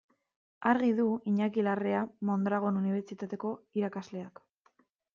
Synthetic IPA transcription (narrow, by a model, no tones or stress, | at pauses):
aɾɣiðuiɲakilareamo̞nd̪ɾaɣ̞o̞nuniβ̞eɾt͡ʃit̪at̪e̞ko̞iɾakazle̞ak